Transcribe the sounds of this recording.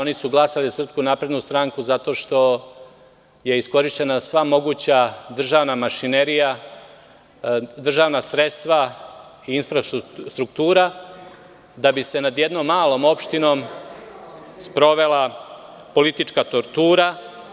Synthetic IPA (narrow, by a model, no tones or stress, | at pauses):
o̞nisuɡlˠasalizasɾr̩pskunapɾe̞d̪nust̪ɾaŋkuzat̪o̞ːʃt̪o̞ | je̞isko̞ɾiʃt͡ɕe̞nasʋamo̞ɡut͡ɕad̪r̩ʒaːʋnamaʃineɾija | d̪r̩ʒaːʋnasɾe̞t̪st̪ʋa | iinfɾast̪ɾukt̪uːɾa | d̪abise̞nad̪jed̪no̞ːmːaːlˠo̞ːmo̞pʃt̪ino̞ːm | spɾo̞ʋe̞la | po̞lit̪it͡ʃkat̪o̞ɾt̪uːɾa